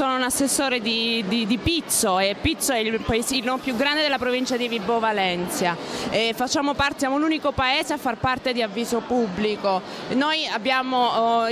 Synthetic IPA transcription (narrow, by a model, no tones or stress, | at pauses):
oːnounasːesːoːɾed̪id̪id̪ipit̪soepːit̪sːoɛilpaezinompjuɡɾand̪ed̪elːapɾovint͡ʃad̪ivibːovalɛnt̪sjaɛfat͡ʃːaːmopart̪esjamoluːnikopaeːzeafːarpart̪ed̪iavːiːzopubːliko | nojabːjaːmo